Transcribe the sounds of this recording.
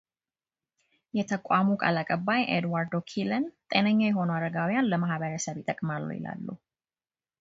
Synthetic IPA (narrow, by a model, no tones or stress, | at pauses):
jɛt̪ʰəkʼamukʼa̰lakʼəbːajʔed̪waɾd̪okʰilənt̪ʼenəɲːawjɛɦo̞nuaɾəɡawijanləmahβəɾəsəβɪt̪ʼəkʼmalːə̰wjɪ̰la̰lːṵ